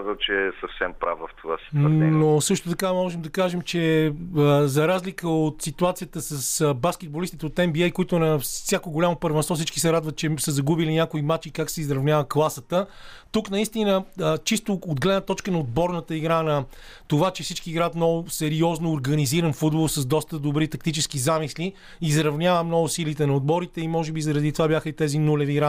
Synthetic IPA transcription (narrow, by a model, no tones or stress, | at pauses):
zət͡ʃɛɛsɐfsɛmpɾa̰vvɐft̪ʰova̰si̥t̪ɛnosɤʃt̪ot̪ɐkamɔʒɛmd̪ɐkaʒɛmt͡ʃɛ | zɐɾazlikəot̪sit̪uat̪sijət̪əsəsbaskʲɛd̪̚bolist̪it̪ɛot̪ɛmbiɛjkoit̪ʊɛnɐsʲjakoɡolʲamopəɾvɛnsvɔfsit͡ʃki̥sɛɾad̪vət̪t͡ʃɛsəzɐɡubilinʲjakoimat͡ʃikaksɛizɾɐvnʲavəklˠasət̪ət̪uknɐist̪inəət͡ʃist̪ood̪ɡlɛd̪nət̪ɔt͡ʃkənɐod̪̚bɔɾnət̪əiɡɾanɐt̪ovat͡ʃɛfsit͡ʃkiːɡɾat̪mnɔɡʊsɛɾiɔznoːɾɡɐniziɾənfud̪bolˠsɐzd̪ɔst̪əd̪obɾit̪ɐkt̪it͡ʃɛskizamisli | izɾɐvnʲavəmnɔɡʊsilit̪ɛnɐod̪̚bɔɾit̪ɛimɔʒɛbizɐɾɐd̪it̪ovabʲjaxəit̪ɛzinulɛviɡɾa